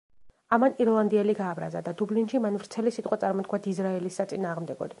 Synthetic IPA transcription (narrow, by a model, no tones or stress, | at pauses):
amaniɾlˠand̪iɛliɡaːbɾa̰za̰d̪ad̪ublinʃimanvɾt̪sʰɛlisit̪ʼqʼwat̪sʼaɾmɔd̪̚kʰwad̪izɾaɛlisːat̪sʼinaːʁmd̪ɛɡɔ̰d̪i